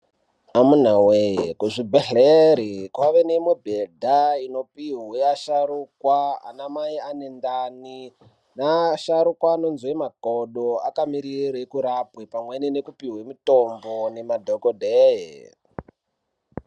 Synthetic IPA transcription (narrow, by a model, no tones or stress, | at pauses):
amun̤awekuʐibʱeɬeɾikwaʋeneimwe̞bʱedʱaino̞piɦweaʃaɾukwaa̰namaianendani | naʃaɾukwaːno̞nzwemakoɗoakamiɾiɾekuɾapwepamwenenekupiɦwemito̞mbone̞madʱokodʱeje